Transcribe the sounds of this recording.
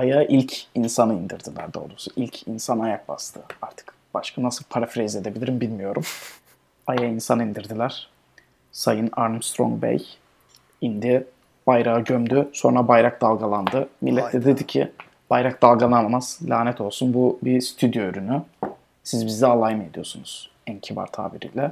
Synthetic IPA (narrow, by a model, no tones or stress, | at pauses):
ajaʔilʲcʰinsanɯind̪iɾd̪ilʲæ̰ɾd̪o̰lˠusuʔilʲcʰinsanajak̚ba̰st̪ʰɯaɾt̪ʰɯ̥k | b̥aʃkʰanasɯlˠpʰaɾafɾɛized̪ebilʲiɾimbilʲmijo̞ɾum | ajainsanɯind̪iɾd̪ilʲæɾ̥ | sajɯna̰ɾmst̪ʰɾo̰ŋbɛ̰j | ind̪i | b̥ajɾaɯɟømd̪yso̞nɾabajɾak̚d̪alˠɡalˠand̪ɯmilʲːɛt̪d̪ɛd̪ed̪icʰḭ | b̥ajɾak̚d̪alˠɡalˠanmamaz̥lʲaːnɛt̪ʰo̞lˠsunbubist̪ʰyd̪joɾyny | sizbizd̪ɛalˠajɯme̞d̪ijo̞sunuz̥ | ɛncʰiva̰ɾt̪ʰa̰ːbiɾḭːlʲɛ